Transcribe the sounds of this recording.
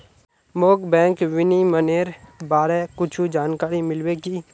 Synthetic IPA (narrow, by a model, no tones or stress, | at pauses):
moːkbɛ̃ːŋkʋɪniməneːɾbaːɾekʊt͡ʃʰud͡ʒaːnkaːɾimɪlweɡiː